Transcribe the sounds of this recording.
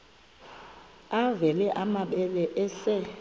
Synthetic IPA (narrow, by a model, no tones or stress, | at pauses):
avɛlɛʔamaɓɛlɛʔɛsɛ